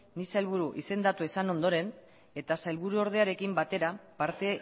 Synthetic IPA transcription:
nisajlβ̞uɾuʔḭse̞nd̪at̪uesano̞nd̪o̞ɾe̞n | e̞t̪asajlβuɾuo̞ɾð̞e̞aɾe̞kimbat̪e̞ɾapaɾt̪e̞

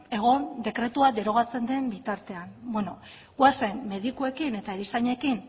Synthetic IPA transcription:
e̞ɣ̞o̞nd̪e̞kɾe̞t̪uad̪e̞ɾo̞ɣ̞at͡se̞nd̪e̞mbit̪aɾt̪e̞anbweno̞ | ɣwasenːe̞ðikue̞kine̞t̪aeɾisaɲekin

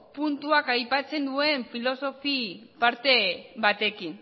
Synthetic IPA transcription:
punt̪uakajpat͡se̞nd̪ue̞ɱfilo̞so̞fipaɾt̪e̞βat̪e̞kin

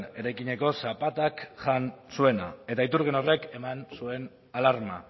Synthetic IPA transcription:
ne̞ɾajkiɲe̞ko̞sapat̪akʝansue̞na̰e̞t̪ait̪uɾɣeno̞re̞ke̞mansue̞n | alaɾma̰

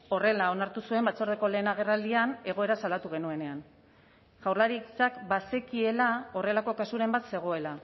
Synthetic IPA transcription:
o̞re̞lao̞naɾt̪usue̞mbat͡so̞ɾðeko̞le̞ːnaɣ̞e̞rald̪iane̞ɣo̞e̞ɾasalat̪uɣ̞e̞nue̞ne̞an | ʝawrlaɾit͡sakbase̞kie̞lao̞re̞lako̞kasuɾe̞mbat̪se̞ɣ̞o̞e̞la

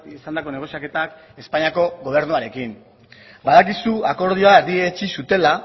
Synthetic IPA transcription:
isand̪ako̞neɣo̞siake̞t̪ak | e̞spaɲiako̞ɣo̞β̞e̞ɾnuaɾe̞kim | baðakisuako̞ɾð̞io̞aeɾðiet͡ʃisut̪e̞la

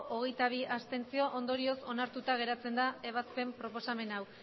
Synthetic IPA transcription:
ʔoɣ̞e̞jt̪aβ̞iʔast̪e̞nt͡sio̞ʔond̪o̞ɾio̞so̞naɾt̪ut̪aɣ̞e̞ɾat͡se̞nd̪ae̞β̞aspe̞mpɾo̞po̞same̞naw

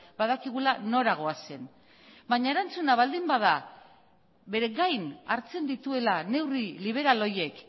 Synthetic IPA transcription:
baðakiɣulano̞ɾaɣ̞o̞ase̞n | baɲae̞ɾant͡sunaβ̞ald̪imbaða | βe̞ɾe̞ɣajnaɾt͡se̞nd̪it̪ue̞lane̞wriliβ̞e̞ɾalo̞je̞k

